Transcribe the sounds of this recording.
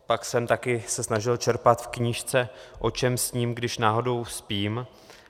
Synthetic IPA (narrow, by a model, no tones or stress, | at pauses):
paksɛmt̪akɪsɛsnaʒɪlt͡ʃɛɾpat̪fkɲiːʃt͡sɛʔo̞t͡ʃɛmsɲiːmɡdɪʃnaːɦo̞do̞wspiːm